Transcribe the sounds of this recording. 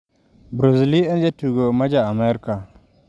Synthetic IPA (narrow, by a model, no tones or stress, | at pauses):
bɾoziliend͡ʒatuɡomad͡ʒaameɾka